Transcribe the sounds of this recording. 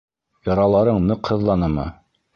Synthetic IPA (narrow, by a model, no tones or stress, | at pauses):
jɑɾɑlˠɑɾɤɴnɤqhɤ̆ðlˠɑnɤmɤ̰